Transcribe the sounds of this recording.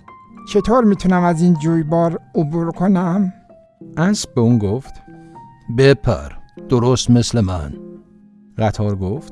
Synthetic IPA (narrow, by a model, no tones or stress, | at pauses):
t͡ʃʰet̪ʰoːɾmiːt̪ʰunæmæziːnd͡ʒujbɒːɾobuɾkʰonæm | ʔæsbeuːnɡoft̪ | bepʰæ̰ɾd̪̥oɾost̪meslemæ̰n | ɢæt̪ʰɒːɾɡoft̪